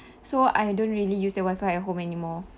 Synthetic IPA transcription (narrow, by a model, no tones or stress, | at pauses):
soajdõnɹiəlijusdəwajfajəɦõmɛnimɔ